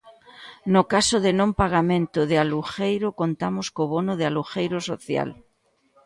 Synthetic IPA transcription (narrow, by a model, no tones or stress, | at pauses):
nokasoðenõmpaɣamẽnt̪oðealuxejɾokont̪amoskoβonoðealuxejɾoso̰θja̰l